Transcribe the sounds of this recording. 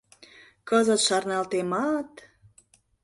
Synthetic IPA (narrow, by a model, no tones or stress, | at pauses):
kəzə̆t̪ʃɑrnɑlt̪emɑt̪